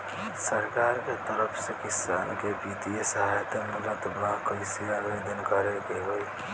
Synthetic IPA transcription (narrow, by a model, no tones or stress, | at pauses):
səɾkaɾket̪əɾəpʰsẽkisankebit̪ijesəɦajt̪emulət̪akəɪsijabed̪ənkəɾekeɦoj